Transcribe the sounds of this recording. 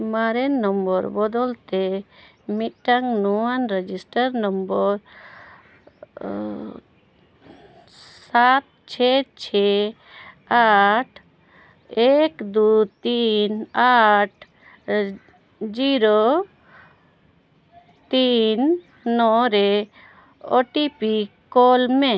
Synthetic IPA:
maɾɛnːɔmbɔɾbɔd̪ɔlt̪e | mit̪̚ʈaŋnuanɾed͡ʒisʈaɾnɔmbɔɾ | sat̪̚ | t͡ʃʰɛt͡ʃʰɛ | aʈʰ | ekd̪ut̪inaʈʰ | d͡ʒiɾo | t̪inː | ɔɾɛ | ɔʈipikɔlme

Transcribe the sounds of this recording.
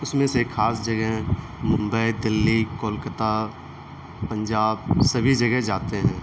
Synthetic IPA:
ʊsmẽsekʰːaːsd͡ʒɐɡɛɦɛ̃ | mʊ̃mbəid̪ɪlːikoːlkət̪a | pə̃ɲd͡ʒaːb̚sɐbʱid͡ʒɐɡɛɦd͡ʒaːt̪eɦɛ̃ː

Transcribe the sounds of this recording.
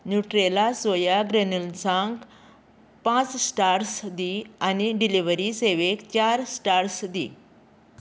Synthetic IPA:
njuʈɾelasojaɡɾenəlsãŋɡ | pãt͡ssʈaɾsd̪ianiɖiliʋəɾiseʋekt͡ɕaɾsʈaɾsd̪ḭ

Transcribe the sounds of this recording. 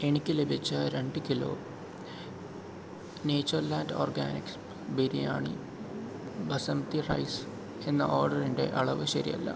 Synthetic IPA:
eɳikʲːɨlebʱit͡ɕːɐɾeɳɖɨkilo̞̰ː | neːt͡ɕːɐrlaːndo̰ːrɡa̰ːniks | biɾija̰ːɳḭ | bɐsɐmt̪irɐ̰js | e̞nːɐ̰ʔoːrɖɐɾiɳɖe̞̰ʔɐɭɐʋɨɕɐɾḭjɐ̰lːɐ̰

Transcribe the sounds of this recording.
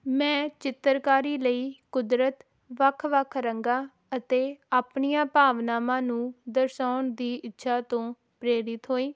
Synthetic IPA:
mɛ̃ːt͡ʃɪt̪ːəɾkaːɾiːləiːkʊd̪ɾət̪ | ʋəkʰʋəkʰɾəŋɡaː | ət̪eːaːpɳijãːpaːʋnaːmãːnũːd̪əɾsaːɳd̪iːʔɪtːʃʰaːt̪õː | pɾeːɾɪt̪ɦoːiː

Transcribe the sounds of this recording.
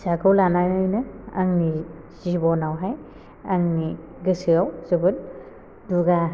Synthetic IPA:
sakɯwlanajnɯjnɯaŋni | z̥ibɔnawɦaj | aŋni | ɡɯsɯawz̥ɯbɯn | duɡa

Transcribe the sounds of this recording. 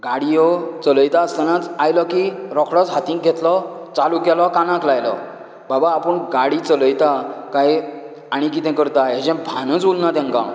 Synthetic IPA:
ɡaɽijɔt͡sələjt̪aəst̪anat͡sajlɔkiɾɔkʰɽɔt͡sɦat̪ĩk̚ɡʱet̪lɔt͡salukalɔkanãklajlɔ̰ | babaːpəɳɡaɽit͡sələjt̪akaj | aɽ̃ikit̪ɛ̃kəɾt̪aɦed͡ʑɛ̃bʱanət͡sulnat̪ãŋka

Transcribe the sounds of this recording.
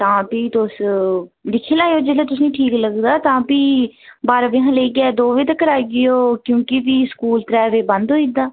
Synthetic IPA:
t̪ãːpiːt̪ʊs | lɪkʰːeːlaːjoːd͡ʒeːleːt̪ʊsnĩːʈʰiːkləɡd̪aːt̪ãːpiːbaːɾabɪɦãːleːikɪɛːd̪oːʋiːt̪əkːəɾaːiɡɪjoːkjõːkɪpiːskuːlt̪ɾɛːʋeːbə̃nd̪oːid̪aː

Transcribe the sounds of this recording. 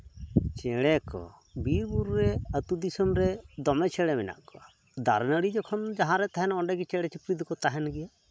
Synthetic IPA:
t͡ʃɛɽɛkɔ̰ | bibuɾːɛət̪ud̪isɔmɾɛd̪ɔmɛt͡ʃʰɛɽɛmɛna̰ʔkɔa | d̪a̰ɾnəɽid͡ʒɔkʰɔnd͡ʒaɦãɾɛt̪aɦɛnaɔɳɖɛɡit͡ʃɛɽɛt͡ʃipɾid̪kɔt̪aɦɛnɡɛja

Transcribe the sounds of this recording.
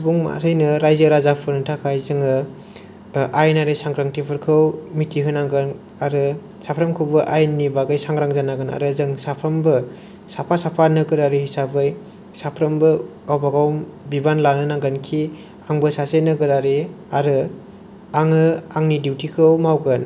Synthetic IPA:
sbuŋma̰tʰɯjnɯɾajzɯɾazapʰɯnɯtʰakʰajzɯŋɯ | ajnaɾesaŋɡɾaŋtʰipʰɯɾkʰɯwmitːiɦɯnaŋɡɯn | aɾɯ | sapʰɾɐmkʰɯwbɯʔajnibaɡajsaŋɡɾaŋzanaɡɯna̰ɾɯzɯŋsapʰɾɐmbɯ | sapʰasapʰanɯkɯɾaɾɯhisabɯj | sapʰɾɐmbɯɡawbaɡawmbibanlanɯnaŋɡɯnkʰi | aŋbɯsasenɯɡɯɾaɾe | aɾɯ | aŋɯaŋnidiwtʰikʰɯwmawɡɯn

